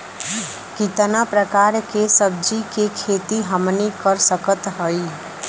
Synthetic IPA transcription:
kit̪ənapɾəkaːɾkesəb̚d͡ʒikekʰeːt̪iɦəmnikəɾsəkət̪ɦoi

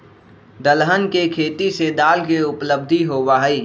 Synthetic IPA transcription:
d̪əlɦənkekʰeːt̪ised̪aːlkeʊpləb̚d̪ʱiɦoːwaɦɛiː

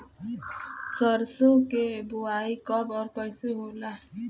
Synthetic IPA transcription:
səɾsokebʊaːikəbɔːɾkəɪseɦoːla

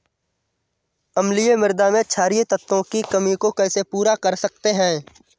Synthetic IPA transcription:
ɐmlijemɪɾd̪amẽt͡ʃʰaːɾijet̪ɐt̪ːõkikɐmikokɛ̃ːsepuːɾakɐɾsɐk̚t̪eɦɛ̃ː

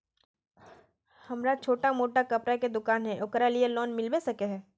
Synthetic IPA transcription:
hɐmɾat͡ʃʰoːʈamoːʈakɐpɾaked̪ʊkaːnɦɛʔʊkɾalielɔːnmɪlbesɐkeɦɛː

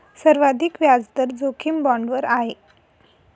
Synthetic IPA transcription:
səɾʋad̪ʱikʋjad͡zd̪əɾd͡zokʰimbɔɳɖʋəɾaɦe

